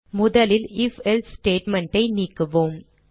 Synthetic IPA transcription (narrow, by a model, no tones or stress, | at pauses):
mʊðɐlɪlɪfɛlsʈeːʈmɛɳʈɐɪniːkːɯʋoːm